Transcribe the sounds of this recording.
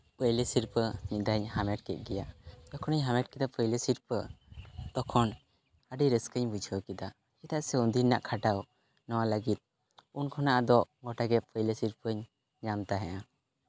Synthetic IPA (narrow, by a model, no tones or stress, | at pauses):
pəjlesiɾpənid̪aɲhamɛʈ̚kɛt̪̚ˀɡɛjad̪ɔkʰɔnəɲɦamɛʈ̚kid̪apʰəjlesiɾpəd̪̥ɔkʰɔn | aɖiɾəskəɲbud͡ʒʱəkid̪a | ɛt̪aʔsɛund̪inaʔkʰaʈaw | nɔwaləɡit̪̚ | unkʰɔnaʔad̪ɔʔɡɔʈaɡɛpʰəjlesiɾpəɲ | ɲamt̪aɦɛ̃ʔa